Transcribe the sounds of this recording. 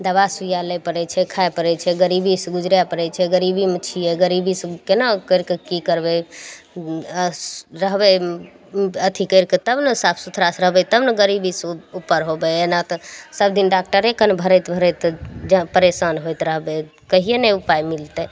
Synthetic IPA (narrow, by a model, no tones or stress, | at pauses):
d̪əβasujalɛpəɾɛt͡ʃʰɛkʰajpəɾɛt͡ʃʰɛɡəɾibisɡud͡ʒɾjapəɾɛt͡ʃʰɛɡəɾibimet͡ʃʰijɛɡəɾibiskenakəjɾkekikəɾbɛ | ɾəɦbɛ | ət̪ʰikəjɾket̪əbnesapʰsut̪ʰɾasɾəɦbɛt̪əbnəɡəɾibisupːəɾɦobɛenat̪ɔsəb̚d̪inɖak̚ʈəɾekənbʱəɾɛt̪bʱəɾɛt̪d͡ʒpəɾesanɦojt̪ɾəɦbe | kəɦijenɛupajmilt̪ɛ